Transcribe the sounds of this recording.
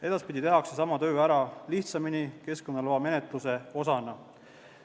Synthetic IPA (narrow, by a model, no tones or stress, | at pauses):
e̞d̪ɑspid̪ʲit̪e̞ɦɑkse̞sɑmɑt̪ø̞ːæɾɑliht̪sɑminike̞sko̞nːɑloɑme̞net̪ˑluse̞o̞sɑnɑ